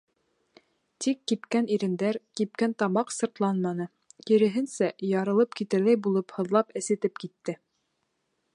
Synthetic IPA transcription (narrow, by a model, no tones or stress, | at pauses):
t̪ikːipkæniɾɘ̆nd̪æɾkip̚kænt̪ɑmɑqsɤ̆ɾt̪lˠɑnmɑnɤ | kiɾɘ̆ɦɘnsæjɑɾɤ̆lˠɤpkit̪ɘ̆ɾlæjbulˠɤphɤ̆ðlˠɑpɘ̆sɘ̆t̪ɘpkit̪ːɘ